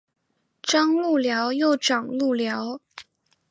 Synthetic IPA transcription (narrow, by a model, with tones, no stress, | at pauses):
ʈ͡ʂɑ˥ŋlu˥˩ljɑ˧˥ʊjo˥˩ʊʈ͡ʂɑ˨˩ŋlu˥˩ljɑ˧˥ʊ